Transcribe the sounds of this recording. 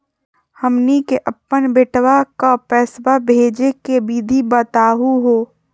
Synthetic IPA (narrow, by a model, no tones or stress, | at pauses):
həmnikeʔəpːənbeʈwakapɛːsbabʱeːd͡ʒekebiːd̪ʱibət̪aːɦuɦoː